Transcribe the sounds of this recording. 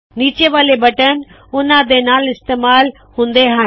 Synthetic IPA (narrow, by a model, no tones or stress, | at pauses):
niːt͡ɕeʋaːlebɐʈən̆ | ʊnãd̪enaːlɪst̪eːmaːl | hũːnd̪eɦãː